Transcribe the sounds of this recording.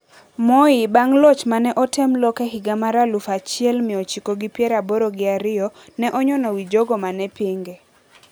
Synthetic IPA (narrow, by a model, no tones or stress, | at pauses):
mɔibaŋlɔt͡ʃmanɛʔɔtɛmlɔkɛɦɪɡamaɾalufat͡ʃɪɛlmɪot͡ʃikoɡipjɛɾaboɾoɡɪaɾɪɔnɛʔɔɲɔnɔwid͡ʒoɡɔmanɛpiŋɡe